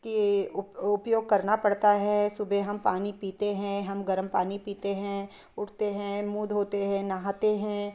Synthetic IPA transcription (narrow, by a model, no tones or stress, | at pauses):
kiʊʊpjoːɡ̚kɐɾnapɐɽt̪aɦɛsʊbʱeɦɐmpaːnipiːt̪eɦɛ̃ɦɐmɡɐɾəmpaːnipiːt̪eɦɛ̃ | ʊʈʰt̪eɦɛ̃muːd̪ɦoːt̪eɦɛ̃naɦat̪eɦɛ̃